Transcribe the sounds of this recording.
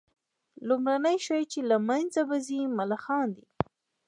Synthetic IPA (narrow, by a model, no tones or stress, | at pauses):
lʊmɾanəjʃajt͡ʃelamanzabazimalaxɑnd̪i